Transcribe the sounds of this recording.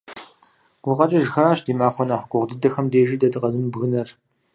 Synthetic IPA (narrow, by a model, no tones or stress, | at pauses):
ɡ̥ʷʊqɐt͡ʃʼɐʒxɐɾaːʃdiːmaːxʷɔnaːχʷɡʷʼʊʁʷdɨdɐxɐmdeːʒidɐdɨqʼɐzɨmbɣɨnɐr